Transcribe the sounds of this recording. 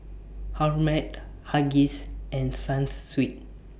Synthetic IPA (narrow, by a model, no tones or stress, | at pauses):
haɹmɛt̚haɡisɛ̃nsãnsːwit̚